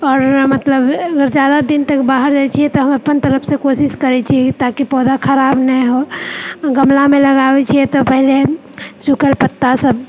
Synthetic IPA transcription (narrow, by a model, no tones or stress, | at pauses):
ɔːɾmət̪ləbəɡəɾd͡ʒad̪ad̪int̪əkbaɦəɾd͡ʒajt͡ʃʰiɛt̪ɔɦəməpːənt̪əɾəpʰsẽkosiskəɾɛt͡ʃʰit̪akipɔd̪akʰəɾabnɛɦo | ɡəmlameləɡabɛt͡ʃʰijɛt̪ɔpəɦile | sukəlpət̪ːasəb